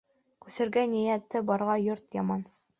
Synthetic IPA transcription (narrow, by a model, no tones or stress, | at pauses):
kʉsɘ̆ɾɡænijæt̪ːɘbɒɾʁɑjoɾt̪jɑmɑn